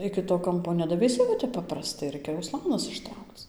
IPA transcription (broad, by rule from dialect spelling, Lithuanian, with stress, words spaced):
ˌɪkʲɪ toː ˈkɐmpoː nʲɛdɐʋʲɛɪˈsʲɪ ʋɐ ˈtʲɛp ˌpɑːprɐˈstɐɪ ˈrɐɪkʲɛ ʊˈslˠɑːnɐs ɪʃˈtrɐʊkt͡s